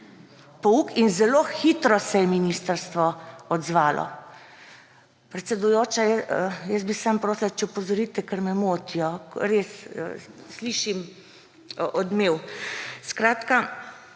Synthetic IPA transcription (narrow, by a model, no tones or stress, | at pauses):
pɔukinzɛloːxiːt̪ɾɔsɛjɛminiːst̪əɾst̪ʋɔɔd̪zʋaːlʔɔ̰ | pɾɛt̪sɛd̪ujoːt͡ʃajɛjəsbisaːmpɾoːslat͡ʃɛupɔzɔɾiːt̪ɛkəɾmɛmoːt̪iɔɾes | sliːʃim | ʔɔd̪meːwskɾaːt̪ka